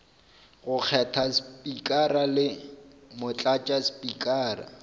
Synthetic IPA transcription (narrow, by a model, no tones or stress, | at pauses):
ɣʊk͡xʰɛtʰaspʼikʼaralɪmʊt͡ɬʼat͡ʃʼaspʼikʼaːra̰